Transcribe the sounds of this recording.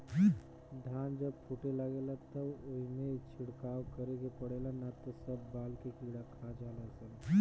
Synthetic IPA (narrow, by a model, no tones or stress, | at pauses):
ɖʱand͡ʒəb̚pʰuʈeləɡelat̪əboɦimet͡ʃʰiɽkawkəɾekepəɽelanat̪ɔsəbːaːlkekiɽakʰad͡ʒalasən